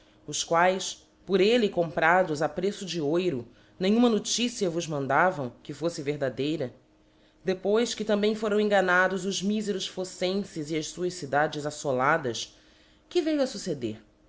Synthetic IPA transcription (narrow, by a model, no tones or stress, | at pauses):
ʊskwajs | pʊɾelɪkõmpɾad̪ʊzapɾesʊd͡ʒɪojɾʊ | nẽɲ̃ũmɐnot͡ʃisiɐvʊzmɐ̃nd̪avɐ̃w̃kɪfosɪveɦd̪ad̪ejɾɐ | d̪epojskɪt̪ɐ̃mbẽj̃foɾɐ̃w̃ẽŋɡanad̪ʊzʊzmizeɾʊʃfosẽsɪziɐʃsuɐʃsid̪ad͡ʒɪzasolad̪ɐs | kɪvejʊɐsused̪eɾ